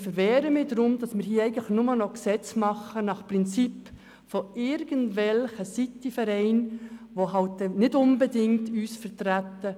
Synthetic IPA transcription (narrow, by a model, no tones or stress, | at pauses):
fəɾʋɛːɾəmɪdɾʊmd̥ɑsmɪːɾhiːɛɪɡən̩tləxnʊmənɔksɛt͡smɑχənɑχpɾɪnt͡sip | fɔɪɾɡ̥əndʋɛlχəsitifɛɾɛɪnʋoɦɑltdɛnɪdʊnbɛdɪŋtyːsfəɾtɾætːə